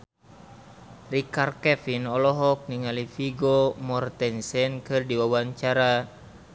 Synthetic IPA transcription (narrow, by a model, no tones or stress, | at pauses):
rikarkɛfinɔlɔɦɔk̚niŋalifiɡomɔrt̪ɛnsɛnkɨrdiwawaɲt͡ʃaɾa